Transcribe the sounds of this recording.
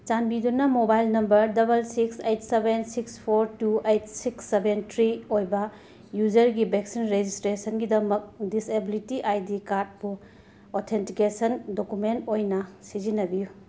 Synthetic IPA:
t͡ʃanbidunɐmobajlnɐmbɐɾdɐbɐlsiksejtsebensikspʰoɾtuejtsiksːebentʰɾiojbɐ | jud͡ʒɐɾɡibeksinɾed͡ʒistɾesɐnɡidɐmɐk̚disebilitiʔajdikaɾt̚bu | otʰentikesɐndokumentojnɐsid͡ʒinɐbiju

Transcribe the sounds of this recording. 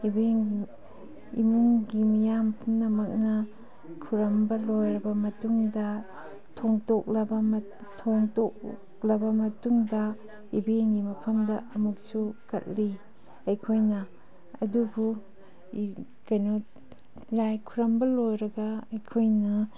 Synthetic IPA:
ibeŋ | ḭmuŋɡimijampnɐmɐk̚nɐ | kʰuɾɐmbɐlojɾɐbɐmɐtuŋdɐ | tʰoŋtok̚lɐbɐm | tʰoŋtok̚ | lɐbɐmɐtuŋdɐ | ibeŋɡimɐpʰɐmdɐʔɐmuk̚sukɐ̰t̚li | ɐjkʰojnɐ | ɐ̰duɡu | kɐjno | lajkʰuɾɐmbɐlojɾɐɡɐɐjkʰojnɐ

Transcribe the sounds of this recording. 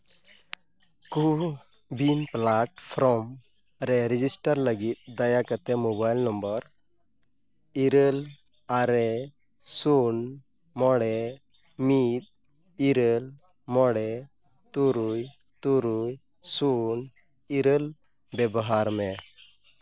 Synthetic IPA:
ku | binplaʈpʰɾɔm | ɾɛɾid͡ʒisʈəɾləɡit̪̚d̪ajakət̪ɛmobajlnɔmbɔɾ | iɾəl | aɾɛ | sun | mɔɽɛ | mit̪̚ | iɾəl | mɔɽɛ | t̪uɾuj | t̪uɾuj | sun | iɾəl | bɛbɔɦaɾmɛ

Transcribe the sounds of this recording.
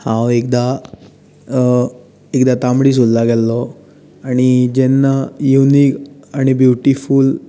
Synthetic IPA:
hãwek̚d̪a | ekd̪at̪ãmbɽiːs̬ullaɡɛlːɔ | aɽ̃id͡ʑɛnːajuniːkaɽ̃ibjuʈiful

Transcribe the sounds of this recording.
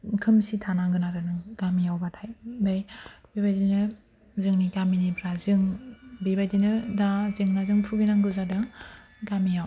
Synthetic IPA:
kʰɯmsitʰanaŋɡɯnaɾɯnɯŋɡamijawbatʰajbajbibajdinɯ | zɯŋniɡaminipʰɾazɯŋbibajdinɯdazɯŋnazɯŋpʰubinaŋɡɯzadɯ | ɡamijaw

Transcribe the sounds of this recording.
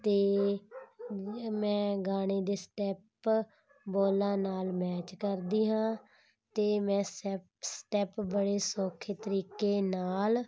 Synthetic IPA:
t̪eː | mɛ̃ːɡaːɽeːd̪eːsʈɛːp | boːlãːnaːlmɛːt͡ʃkəɾd̪iːɦãː | t̪eːmɛ̃ːs | sʈɛːpbəɽeːsoːkʰeːt̪əɾiːkeːnaːl

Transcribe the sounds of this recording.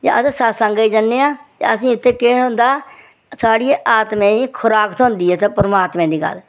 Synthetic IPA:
d͡ʒã̰ːʔəssasəŋɡaiːd͡ʒənːeːãːt̪ḛəsĩːɪt̪ʰːeːkeːʊ̃nd̪aː | saːɽiːeːʔaːt̪mẽːiːkʰʊɾaːkət̪ɦʊ̃nd̪iːɛːt̪eːpəɾəmaːt̪mẽːd̪iːɡə̰l

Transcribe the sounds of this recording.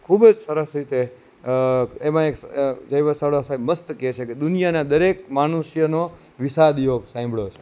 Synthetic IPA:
kʰubd͡ʒsəɾəsɾit̪e | emãeksd͡ʒəjʋəsəʋɽasaməst̪ket͡ʃʰeked̪unijanad̪əɾek̚mañuʃjəno | ʋisad̪joɡsãĩmbɭot͡ʃʰe̥

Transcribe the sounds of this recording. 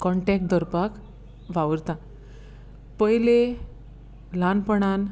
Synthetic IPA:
kɔɳʈɛk̚ʈd̪əɾpak | ʋaʋəɾt̪ã | pəjle | lanpəɳ̃an

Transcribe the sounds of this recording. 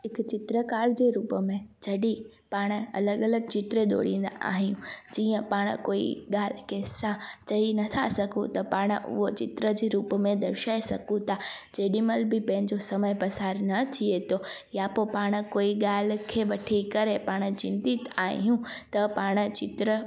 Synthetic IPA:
ɦɪkt͡ɕɪt̪ɾəkaːɾd͡ʑeːɾuːpəmẽd͡ʑɐɗi | paːɽ̃̆ɐ̰ləɠɐləɡ̚t͡ɕɪt̪ɾeɗ̪o̰ːɽ̤ĩːn̆d̪a̰ʔa̰ːɦijũd͡ʑiːə̃paːɽ̰̃koːḭɠaːl̤kʰesãt͡ɕɐinɐt̪ʰa̰sɐɡʱũt̪ɐpaːɽ̃ʊ̰ɦot͡ɕɪt̪ɾəd͡ʑeːɾuːpmẽd̪ɐɾʃaːesɐ̰ɡũt̪ʰad͡ʑeːɗiməlbɪpɐ̃ɦɪ̃ɲd͡ʑosɐməjpɐsaːɾnɐt̪ʰiet̪ʰojapopaːɽ̃ə̆koːiɠaːl̤̆kʰeʋɐʈʰikɐɾepaːɽ̃̆t͡ɕɪ̃nt̪it̪a̰ːɦijũt̪ɐpaːɽ̃ə̆t͡ɕɪt̪ɾə

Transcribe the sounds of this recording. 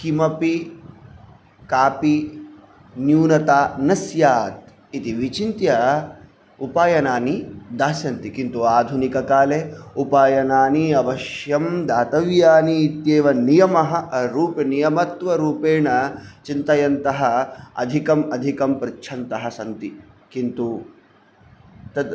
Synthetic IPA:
kimɐpi | kaːpi | njuːnɐt̪aːnɐsjaːt̪̚ | it̪iʋit͡ʃint̪jɐ | upaːjɐnaːnid̪aːsjɐnt̪ikint̪uaːd̪ʱunikɐkaːleupaːjɐnaːniɐʋɐʃjɐmd̪aːt̪ɐʋjaːniːt̪jeːʋɐnijɐmɐɦɐ̆ɾuːpɐnijɐmɐt̪ʋɐɾuːpeːɳɐt͡ʃint̪ɐjɐnt̪ɐɦɐɐ̰d̪ʱikɐmɐd̪ʱikɐmpɾɪt͡ʃʰɐnt̪ɐɦɐsɐnt̪i | kint̪u | t̪ɐd̪

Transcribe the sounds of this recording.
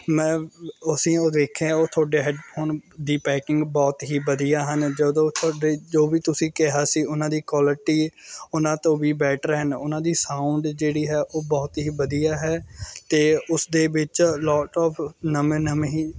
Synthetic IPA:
mɛ̃ːəsĩːoːd̪eːkʰãoːt̪ʰaːɖeːɦɛɖpʰoːnd̪iːpɛːkɪ̃ŋɡbɔːt̪ɦiːbəd̪ijaːɦənd͡ʒəd̪õːt̪ʰːɖeːd͡ʒoːbiːt̪ʊsĩːkɪɦaːsiːʊnãːd̪iːkwɔːlɪʈiːʊnãːt̪õːʋiːbɛːʈʰɾəɦənʊnãːd̪iːsãːʊɳɖd͡ʒeːɽiːɦɛːʔoːbɔːt̪ɦiːbəd̪ijaːɦɛːt̪eːʊsd̪eːʋɪt͡ʃlɔːʈɔːpʰnəmenəmɦiː

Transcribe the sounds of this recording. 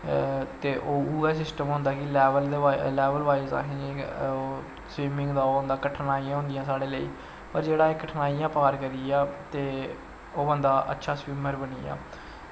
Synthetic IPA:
t̪eːʔoːuːɛːsɪsʈəmɦʊ̃nd̪aːkɪlːʋəld̪lɛːʋəlʋaːiza̰ːkʰĩːd͡ʒi | sʋiːmɪ̃ŋɡd̪aːoːbənd̪aːkəʈʰnaːijãːɦʊ̃nd̪ɪjãːsaːɽeːləiː | pəɾd͡ʒeːɽaːekəʈʰnaːijãːpaːɾkəɾiaːt̪eː | oːbənd̪aːʔə̰tːʃʰaːsʋiːməɾbənḭːa̰ː

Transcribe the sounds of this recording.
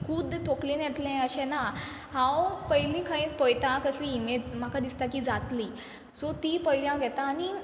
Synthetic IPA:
kʰuːd̪t̪ʰoklĩnjeʈ̪lɛ̃əɕɛ̃na | ɦãwpəjlĩkʰãĩt̪pəjt̪ãkəsimem̤akad̪ist̪akiːd͡zat̪liː | sɔt̪iːpəɦiljãɡʱɛt̪aːni

